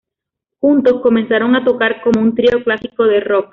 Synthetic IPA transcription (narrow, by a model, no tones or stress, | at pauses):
xunt̪o̞sko̞mẽ̞nsaɾo̞ŋat̪o̞kaɾko̞mo̞unt̪ɾio̞klasiko̞ð̞e̞ro̞k̚